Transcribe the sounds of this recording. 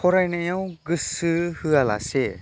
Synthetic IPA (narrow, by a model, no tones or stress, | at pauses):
pʰɔɾajnɯjɔw̃ɡɯsɯhɯala̰se